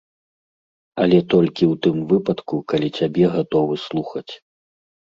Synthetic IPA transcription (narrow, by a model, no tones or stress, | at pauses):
ɐlʲɛt̪ɔlʲkʲiwt̪ɨmvɨpɐt̪kukalʲit͡sʲabʲɛɣat̪ɔvɨslˠuxɐt͡sʲ